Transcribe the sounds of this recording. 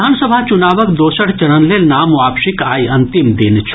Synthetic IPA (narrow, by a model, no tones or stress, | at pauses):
aːnsəbʱat͡ʃʊnaːʋəkd̪oːsəɽt͡ʃɐɽənlelnaːmʋaːpʃikaːjɐ̃nt̪ɪmd̪ɪnt͡ʃʰ